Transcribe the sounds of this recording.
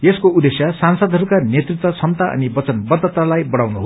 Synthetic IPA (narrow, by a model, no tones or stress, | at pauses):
jeskoud̪esjasansʌd̪ʱɦʌɾukanet̪rit̪wʌt͡sʰʌmt̪aʔʌ̰nibʌt͡sʌnbʌd̪ʱːʌt̪alajbʌɽawnuɦ